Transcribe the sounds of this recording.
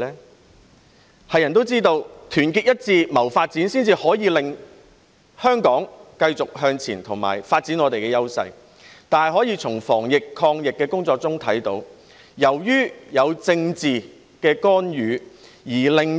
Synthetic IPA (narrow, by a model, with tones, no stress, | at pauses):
hɐ˨jːɐ˨˩nt̪o˥wt͡siː˥t̪o˧wt̪ʰyː˨˩nkiː˧t̚jɐ˥t̚t͡siː˧mɐ˨˩wfaː˧t̚t͡siː˨˥nsiː˥nt͡siː˧hɔː˨˥jiː˨˧lɪ˨ŋ | hœː˥ŋkɔː˨˥ŋkɐ˧jt͡sʊ˨k̚ɦœː˧ŋt͡sʰiː˨˩nt̪ʰʊ˨˩ŋma̰ː˨˩jfaː˧t̚t͡siː˨˥nŋɔː˨˧t̪e˨jkɛː˧jɐ˥wsɐ̰˧j | t̪aː˨nhɐ˨˩jɦɔː˨˥jiː˨˧t͡sʰʊ˨˩ŋfɔː˨˩ŋjɪ˨kʰːɔː˧ŋjɪ˨kːɛː˧kʊ˥ŋt͡sɔː˧k̚t͡sʊ˥ŋt̪ʰɐ˨˥jt̪o˨˥w | jɐ˨˩wjyː˥jɐ˨˧wt͡sɪ˧ŋt͡siː˨ | kɛː˧kɔː˥njyː˨˧ | jiː˨˩lɪ˨ŋ